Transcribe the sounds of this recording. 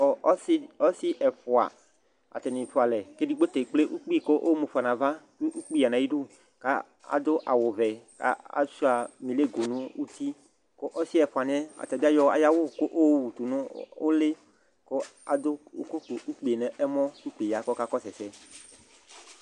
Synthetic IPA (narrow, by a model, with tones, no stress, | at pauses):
ɔ˨˦ɔ˦si˦ʔɛ˨fo˨a̰˨ | a̰˨t̪ɛ˨nĩ˨fo˨a˨lɛ˨ke˦di˦ɡ͡bo˦t̪e˨k͡ple˦ʔu˦k͡pi˦˨ko˦ʔo˦mu˨fa˨nã˨va˦ | u˦ʔu˦k͡pi˦a˨nã˨ji˦ɖo˦ | ka˦ | a̰˨d̪o˦ʔa˨wo˨vɛ˨ka̰˦a̰˨˦su˦a˨mĩ˨le˦ɡo˨nũ˦wu˦t̪i˦ | ko˦ʔɔ˦si˦ɛ˨fa˨n˦ɛ˦a̰˨t̪ɛ˨bi˦a˦jɔ˦a̰˨ja˦wo˦˨ko˦ʔo˦wu˨t̪u˨nũ˦o˦le˦ | ko˦a˨d̪o˦u˦ko˦k͡po˨ʔu˦k͡pe˨e˨nɛ˨ʔɛ˦mɔ̃˦u˦k͡pe˨ja˨ko˦ka˦kɔ˦sɛ˨sɛ˦